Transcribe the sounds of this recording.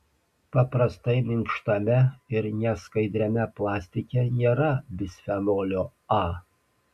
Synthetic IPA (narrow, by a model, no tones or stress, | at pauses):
pɐpɾɐst̪ɐɪmʲɪmʲʃt̪ɐmʲɛɪɾnʲɛskɐɪd̪ʲɾʲɛmʲɛplˠɑːsʲt̪ʲɪkʲɛnʲeːɾɐbʲɪsʲfʲɛnoːlʲoː | ɑː